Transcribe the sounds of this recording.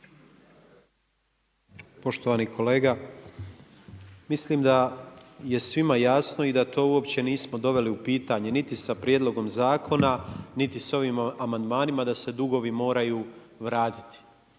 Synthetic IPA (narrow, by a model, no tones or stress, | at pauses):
po̞ʃt̪o̞ʋanikʰo̞leːɡa | misliːmd̪aje̞sʋimajasno̞id̪at̪o̞ːuo̞pt͡ɕe̞niːsmo̞d̪o̞ʋe̞liupiːt̪aɲe̞nit̪isapɾje̞d̪lˠo̞ɡo̞mzaːkʰo̞nanit̪iso̞ʋiːmamand̪maːnimad̪ase̞d̪uɡo̞ʋimo̞ːɾajuː | ʋɾaːt̪i̥t̪i̥